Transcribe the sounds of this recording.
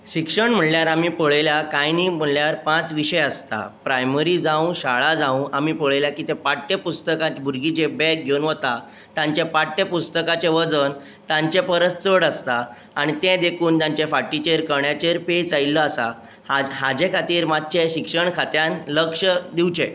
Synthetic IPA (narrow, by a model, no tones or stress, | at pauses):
ɕikʂəɳm̤əljaɾamipəɭeljakajniːm̤əljaɾpãt͡sʋiɕəjəst̪a̰pɾajməɾid͡zaũɕaɭad͡zãũamipəɭeljakiːt̪ẽpaʈːepust̪əkãbʱuɾɡit͡ɕebɛk̚ɡʱeunʋot̪a | t̪jãɲt͡ɕepaʈːjepust̪əkat͡ɕeʋəd͡zən | t̪ãɲt͡ɕepəɾət̪t͡səɽast̪aː | ɽ̃it̪ẽd̪ekʰuːnt̪jãɲt͡ɕefaʈit͡ɕeɾkəɾɳjat͡ɕeɾpet͡sailːəasa | ɦad͡ʑekʰat̪iːɾmad̪̚t͡ɕeɕikʂəɳkʰat̪janləkʂəd̪iwt͡ɕe